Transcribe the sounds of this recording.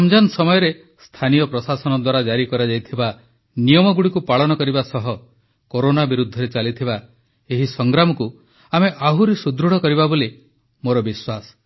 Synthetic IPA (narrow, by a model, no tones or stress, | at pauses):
amd͡ʒansɔmɔjɔɾe | st̪ʰanijɔpɾɔsasɔnɔd̪waɾad͡ʒaɾikɔɾad͡ʒajt̪ʰiba | nijɔmɔɡuɽikupaɭɔnɔkɔɾibasɔɦɔ | koɾonabiɾud̪ʱːɔɾet͡ʃalit̪ʰiba | eɦisɔŋɡɾamɔku | ameʔaɦuɾisud̪ɾuɽ̤ɔkɔɾiβaboli | moɾɔbiswasɔ̥